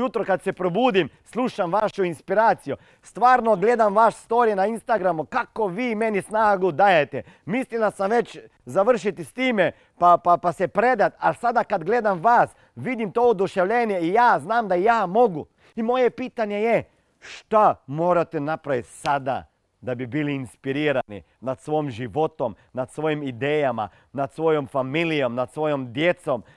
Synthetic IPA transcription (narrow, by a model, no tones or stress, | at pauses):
ut̪ɾokad̪sepɾobuːd̪im | slˠuːʃamʋaʃuinspiɾaːt̪siju | st̪ʋaːɾnoɡleːd̪amʋaʃst̪oːɾijenainst̪aɡɾamukakoʋiːmenisnaːɡud̪aːjet̪ḛ | mislilasamʋe̞t͡ʃ | zaʋr̩ʃit̪ist̪iːme | papapasepɾed̪at̪alsad̪akad̪ɡled̪amʋaːs | ʋid̪imt̪ood̪uʃeʋlʎenjeijaːznaːmd̪ajaːmoɡu | imojepiːt̪aɲeje | ʃt̪amoːɾat̪enapɾaʋit̪ʲsad̪a̰ | d̪abibiliːnspiɾiːɾanḭ | nat̪sʋojmʒiʋot̪om | nat̪sʋojimid̪eːjama̰ | nat̪sʋo̞jomfamilijo̞mnat̪sʋo̞jomd̪jet̪som